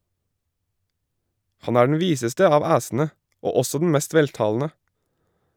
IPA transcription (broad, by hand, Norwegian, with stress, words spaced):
ˈhɑn ˈæː ɖɳ̩ ˈʋiːsəstə ˈɑːʋ ˈæːsn̩ə ˈoː ˈɔsɔ dn̩ ˈmɛst ˈʋɛltɑːln̩ə